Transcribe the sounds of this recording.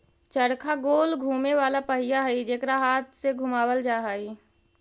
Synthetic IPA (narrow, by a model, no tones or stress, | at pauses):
t͡ʃəɾkʰaɡoːlɡʱuːmeʋaːlapəɦɪjaɦəid͡ʒeːkɾaɦaːt̪ʰseɡʱʊmaːwəld͡ʒaːɦai